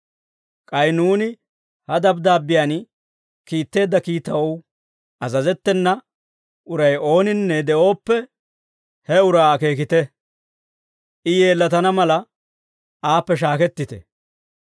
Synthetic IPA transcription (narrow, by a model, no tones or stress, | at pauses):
kʼɐjnuːnɪ | hɐd̪ɐbd̪aːbːɪjan | kiːt̪ːe̞ːd̪ːɐkiːt̪ɐwɐw | ʔɐzɐzɛt̪ːɛnːɐ | ʔʊɾɐjo̞ːnɪnːɛd̪ɛʔo̞ːpːɛ | hɛʊɾaːke̞ːkɪt̪ɛ | ʔɪjeːlːɐt̪ɐnɐmɐlɐ | aːpːɛʃ̬aːkɛt̪ːɪt̪ɛ̰